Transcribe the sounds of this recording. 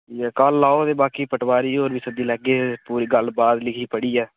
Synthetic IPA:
ɛːkaːlːaːoːd̪eːbaːkiːpəʈʋaːɾiːoːɾʋiːsəd̪iːlɛːɡeːpuːɾiːɡəlbaːd̪lɪkʰiːpəɽiːɛː

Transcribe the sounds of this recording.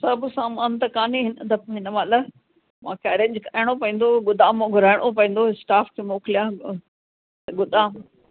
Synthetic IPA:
sɐbʱsaːmaːnt̪ɐkaːneɦɪnət̪ɐpɦɪnəmalə | mãkɛːɾẽɲd͡ʑkʰaːɪɽ̃opɐ̃ĩːn̆d̪oɡʊd̪aːmoɡʱʊɾaːɪɽ̃op̬ɐ̃ĩːn̆d̪oɪsʈaːfkʰemoːkɪlijãː | t̪ɐɡʊd̪ãːm

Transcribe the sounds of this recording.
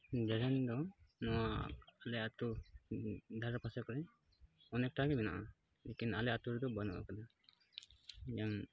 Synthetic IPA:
d͡ʒɛɾɛnd̪ɔnɔwaalɛat̪u | d̪ʱaɾapasɛkɔɾɛ | ɔnɛk̚ʈaɡɛmɛna̰ʔa | lɛkinalɛat̪uɾɛd̪ɔbanɔ̰ʔa̰kad̪a | jaŋ

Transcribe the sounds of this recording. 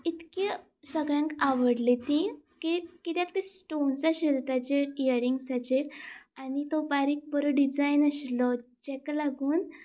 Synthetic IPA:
it̪ke | səɡɭjãŋkaʋəɽlet̪ĩkikit̪jãkt̪isʈont͡saɕilt̪at͡ɕeijəɾiŋɡsat͡ɕeɾanit̪ɔbaɾik̚bəɾɔɖid͡zajnaɕlɔt͡ɕɛklaɡuːn

